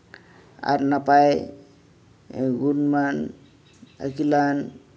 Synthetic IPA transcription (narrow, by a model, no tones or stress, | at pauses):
a̰ɾnapaj | ɡunman | ə̰kilan